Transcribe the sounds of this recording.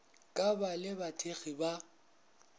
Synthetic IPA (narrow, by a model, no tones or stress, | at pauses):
kʼabalɪbatʰeɣiba